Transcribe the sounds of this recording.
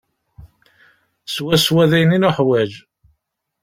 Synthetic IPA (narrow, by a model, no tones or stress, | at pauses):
swæswæðæjninuħwæd͡ʒ